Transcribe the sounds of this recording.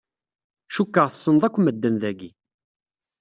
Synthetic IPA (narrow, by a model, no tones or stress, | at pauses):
ʃukːəʁθə̥sˤːənðˤækʷːməd̪ːənðæɡi